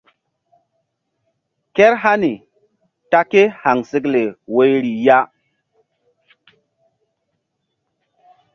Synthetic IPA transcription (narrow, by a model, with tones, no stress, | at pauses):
ke˦ɾɦa˦ni˨ | ta˦ke˦ha˨ŋsi˦kle˨we˦jɾi˨ja˦